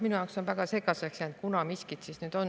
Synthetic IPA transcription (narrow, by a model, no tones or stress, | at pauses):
minujɑˑoksonvæɡ̥ɑse̞ɡˑɑseksjænt̪̚kunɑmiskit̪sisnyːd̪̥o̞n